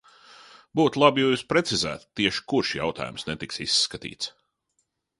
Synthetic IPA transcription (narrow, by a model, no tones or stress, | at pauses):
buːt̪lˠabjuːspɾet̪sizæ̰ːt̪ːiɛʃi̥kuɾʃja̰wt̪ʰa̰ːjumsnɛt̪iksisːkat̪ḭːt̪s